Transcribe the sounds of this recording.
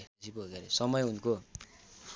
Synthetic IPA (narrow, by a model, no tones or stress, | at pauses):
siboɡeɾesʌmʌjɦunko